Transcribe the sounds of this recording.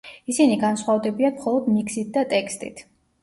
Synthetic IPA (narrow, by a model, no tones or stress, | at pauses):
isiniɡansχwavd̪ɛbiamχɔlˠɔd̪miksit̪̚ʰd̪at̪ʼɛkʰst̪ʼḭt̪ʰ